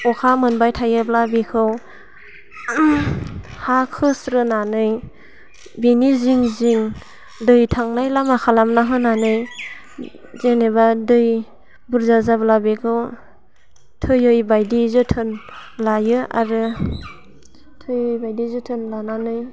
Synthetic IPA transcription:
ɔkʰamɯnbajtʰajɯblabikʰɯw | hakʰɯsɾɯnanɯj | biniziŋziŋ | dɯjtʰaŋnajlamakʰalamnaɦɯnanɯj | zenebadɯj | buɾzazablabikʰɯw | tʰɯjɯjbajdizɯtʰɯnlajɯa̰ɾɯ | tʰɯjɯjbajdizɯtʰɯnlananɯj

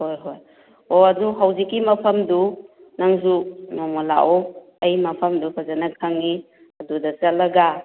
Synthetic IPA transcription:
hojɦoj | oɐduɦɐwzikːimɐpʰɐmdu | naŋzunɔmola̰ʔɔ | ɐjmɐpʰɐmdupʰazanakʰaŋːi | ɐdudɐzɐlːɐɡa

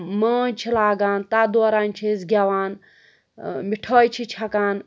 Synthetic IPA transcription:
maːnʲt͡ʃʰilaːɡaːnt̪ad̪oːɾaːnʲt͡ʃʰizɡʲaʋaːn | miʈʰoːjt͡ʃʰit͡ʃʰɐkaːn

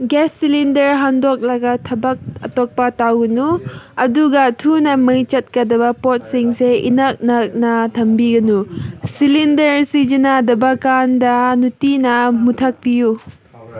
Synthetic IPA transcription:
ɡesːilindɐɾɦandok̚laɡɐtʰɐbɐk̚ɐ̰tok̚pɐtawɡɐnuɐduɡɐtʰunɐmɐjt͡ʃɐt̚kɐdɐbɐpot̚siŋseḭnak̚nɐk̚nɐtʰɐmbiɡɐnusilindɐɾsid͡ʒinadɐbɐkandɐnutinɐmutʰɐk̚piju

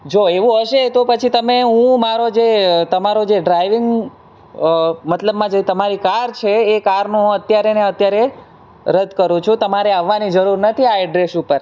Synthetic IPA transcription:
d͡ʒoeʋũɦəʃet̪opət͡ʃʰit̪əmeɦũmaɾod͡ʒet̪əmaɾod͡ʒeɖɾaiʋɪŋɡ | mət̪ləbmãd͡ʒet̪əmaɾikaɾt͡ʃʰeːkaɾnũɦũət̪jaɾeneət̪jaɾe | ɾəd̪ʱkəɾũt͡ʃʰũt̪əmaɾeaʋːanid͡ʒəɾuɾnət̪ʰiaiɖɾesupəɾ

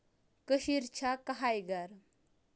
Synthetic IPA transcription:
kəɕiɾt͡ɕʰakəɦajɡaɾ

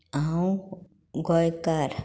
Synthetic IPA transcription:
aw̃ | ɡɔjkaɾ

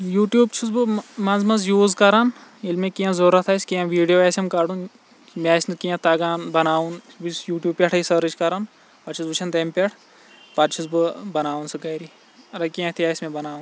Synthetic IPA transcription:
juːʈjuːb̚t͡ʃʰusbɨmɐnzmɐzjuːzkɐɾanilmẽkijãzoɾɐt̪ʰasʲkiãʋiːɖijoːɛsʲɐmkɐɽũn | mɛːsʲnɨkijãt̪ɐɡaːnbɐnaːũn | ʋisjuːʈjuːb̚pʲeʈʰɐisɐɾɨt͡ʃkɐɾan | pɐt͡ʃʰizbɨt͡ʃʰɐnt̪ɐmpʲeʈʰ | pɐɾt͡ʃʰuzbɨbɐnaːunsɨɡɐɾi | ɐɾɐkiãt̪ʰijaːsʲmẽbɐnaːũn

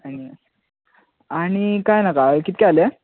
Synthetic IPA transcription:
ani | aɽ̃ikajnakakit̪̚kɛale

